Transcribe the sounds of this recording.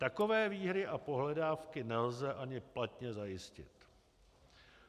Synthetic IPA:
t̪ako̞vɛːviːɦɾɪʔapo̞ɦlɛdaːfkɪnɛlzɛʔaɲɪplat̪ɲɛzajɪscɪ̰t̪

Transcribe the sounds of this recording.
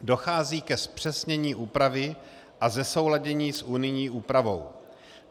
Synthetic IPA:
do̞xaːziːkɛspr̝̥ɛsɲɛɲiːʔuːpɾavɪ | ʔazɛso̞wlaɟɛɲiːsʔunɪjɲiːʔuːpɾavo̞̰w

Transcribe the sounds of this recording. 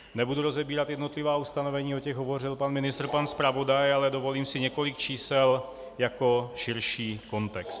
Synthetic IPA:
ɲɛbud̪uɾɔzɛbiːɾad̪jɛd̪nɔt̪liʋaːust̪anɔʋɛɲiːɔcɛɣɦɔʋɔrilpaːnminist̪ɾpaːnspɾaʋɔd̪ajalɛd̪ɔʋɔliːmsiɲɛkɔlikt͡ʃiːsɛl | jakɔʃiɾʃiːkɔnt̪ɛkst̪

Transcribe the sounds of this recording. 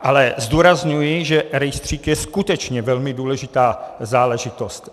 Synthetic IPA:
ʔalɛzd̪uːɾazɲujɪʒɛɾɛjst̪r̝̥iːkjɛskut̪ɛt͡ʃɲɛvɛlmɪduːlɛʒɪt̪aːzaːlɛʒɪt̪ost̪

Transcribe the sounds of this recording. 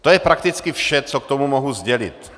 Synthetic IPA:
t̪ojɛpɾakt̪ɪt͡skɪfʃɛt͡sok̚t̪omumoɦuzɟɛlɪ̰t̪

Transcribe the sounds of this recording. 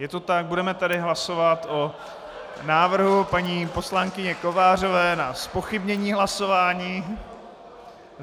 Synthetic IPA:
jɛt̪o̞t̪aɡ̚budɛmɛt̪adɪɦlaso̞vat̪o | naːvr̩ɦupaɲiːpo̞slaŋkɪɲɛko̞vaːr̝o̞vɛːnaspo̞xɪbɲɛɲiːɦlaso̞vaːɲiː

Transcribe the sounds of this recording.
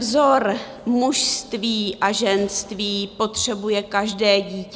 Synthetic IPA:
vzo̞ɾ | muʃst̪viːʔaʒɛnst̪viːpo̞t̪r̥ɛbujɛkaʒdɛːɟiːc

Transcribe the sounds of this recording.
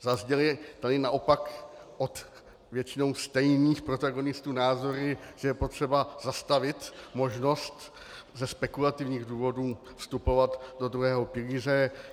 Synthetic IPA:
zazɟɛlt̪adɪnaʔopakʔot̪ | vjɛt͡ʃɪno̞wst̪ɛjniːxpɾo̞t̪aɡo̞nɪst̪uːnaːzo̞ɾɪʒ̥ɛjɛpot̪r̝̥ɛbazast̪avɪt̪mo̞ʒno̞st̪ | zɛspɛkulat̪ɪvɲiːɣduːvo̞duː | fst̪upo̞vat̪dod̪ɾuɦɛːɦo̞pɪliːr̝ɛ

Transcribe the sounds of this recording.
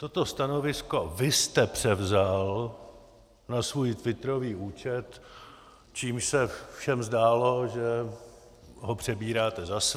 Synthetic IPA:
t̪ot̪o̞st̪ano̞vɪsko̞vɪst̪ɛpr̝̥ɛvzal | nasvuːjt̪vɪt̪ɾo̞viːʔuːt͡ʃɛt̪ | t͡ʃiːmʃsɛfʃɛmzdaːlo̞ʒɛ | ɦopr̝̥ɛbiːɾaːt̪ɛzas

